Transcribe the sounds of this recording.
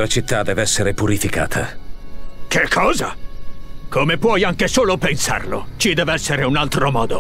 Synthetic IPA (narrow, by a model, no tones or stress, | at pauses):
lat͡ʃit̪ːad̪ɛːveɛsːeɾepuɾifika̰ːt̪ʰa̰ | kekʰːɔːza | kʰomepwɔjaŋkesoːlopensa̰rlo̰t͡ʃid̪ɛːveɛsːeɾeunalt̪ɾomɔːd̪o